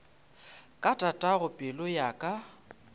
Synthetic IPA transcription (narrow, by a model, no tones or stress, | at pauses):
kʼatʼatʼaɣʊpʼɪlʊjakʼa